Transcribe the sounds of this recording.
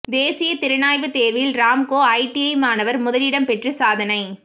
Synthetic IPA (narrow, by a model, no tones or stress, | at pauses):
d̪eːsɪjɐt̪ɪɾɯnaːjʋɯt̪eːɾʋɐjɪlɾaːmkoːɐɪʈiɐɪmaːnɐʋɐɾmʊðɐlɪɽɐmpɛʈrɯsaːðɐnɐɪ